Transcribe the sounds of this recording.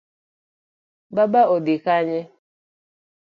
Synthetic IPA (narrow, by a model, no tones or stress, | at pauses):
babaodikaɲɛ